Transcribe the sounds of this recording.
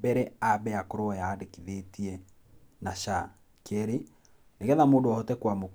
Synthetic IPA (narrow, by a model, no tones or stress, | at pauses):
bɛɾɛabɛakoɾoajaːdekiðetiɛ | naʃa | keɾe | neɣɛðamoːndoaotɛkwamok